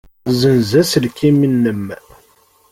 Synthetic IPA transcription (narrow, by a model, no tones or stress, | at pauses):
zənzæslkiminːəmː